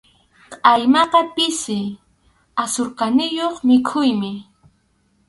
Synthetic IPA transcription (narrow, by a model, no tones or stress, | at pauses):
qʼɑjmɑqɑpɪsɪ | asoɾqɑnɪjoχmɪkʰʊjmɪ